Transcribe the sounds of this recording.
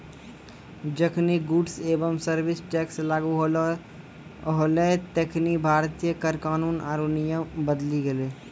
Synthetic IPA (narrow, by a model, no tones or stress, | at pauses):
d͡ʒəkʰniɡʊɖseːbəmsəɾwɪsʈɛːkslaːɡuɦ | ɦoːlet̪ekʰnibʱaːɾt̪ijəkəɾkaːnuːnaːɾunijə̃bəd̪liɡɐleː